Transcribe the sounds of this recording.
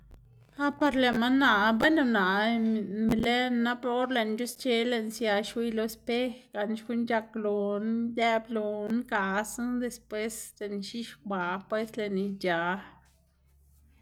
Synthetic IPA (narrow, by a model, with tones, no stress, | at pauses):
a˦pa˧ɾle˧˨nma˦nːa˧˨be˦nu˧na˨ | le˦nːa˦pɾo˦ɾle˧˨nd͡ʒu˦st͡ʃe˦le˧nsja˧ʃwi˦˧lo˧e˧spe˦xɡa˨nʃɡu˦nd͡ʒa˧klo˨nj̪e˦blo˧nka˨˧snd̪e˧spwe˦sle˨nʃi˦ʃk̚ba˨pwe˦sle˨ni˧d͡ʒa˨˧